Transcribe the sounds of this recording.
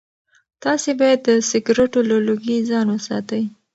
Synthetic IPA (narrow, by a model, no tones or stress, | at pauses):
t̪ɑsebɑjad̪ːəsɪɡɾeʈolaluɡizɑnwəsɑ̰t̪əj